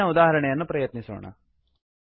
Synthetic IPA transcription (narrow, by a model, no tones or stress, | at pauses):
ɐud̪aːɦɐɾɐɳɛjɐnːupɾɐjɐt̪nisṵːɳɐ̰